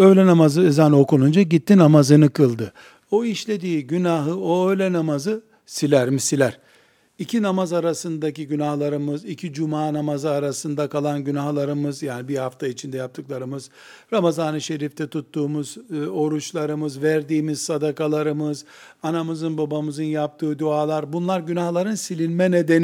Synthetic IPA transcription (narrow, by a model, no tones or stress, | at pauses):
ø̞jlʲɛnamazɯɛzano̞kunund͡ʒaɟit̪ːinamazɯnɯkʰɯlˠd̪ɯ | o̞iʃlʲe̞d̪iːɟynaɦɯoøjlʲɛnamazɯ | silʲæɾmisilʲæɾ̥ | icʰinamazaɾasɯnd̪aciɟynahlˠaɾɯmɯzicʰid͡ʒumaːnamazɯaɾasɯnd̪akʰalˠanɟynahlˠaɾɯmɯzjaːnibihaft̪ʰait͡ʃʰind̪ɛjap̚t̪ʰɯklˠaɾɯmɯz̥ | ɾamazanɯʃe̞ɾift̪ʰɛt̪ʰut̪ːuːmuzo̞ɾut͡ʃlˠaɾɯmɯzvæɾd̪iːmiz̥sad̪akalˠaɾɯmɯz | anamɯzɯnbabamɯzɯnjap̚t̪ʰɯːd̪uaːlˠaɾbunlˠaɾɟynaxlˠaɾɯnsilʲinmɛned̪en